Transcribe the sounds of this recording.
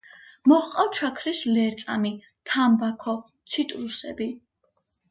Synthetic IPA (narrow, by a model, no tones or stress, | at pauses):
mɔχqʼawt͡ʃʰakʰɾislɛɾt̪sʼa̰mi | t̪ʰambakʰɔ | t̪sʰit̪ʼɾusɛ̰bi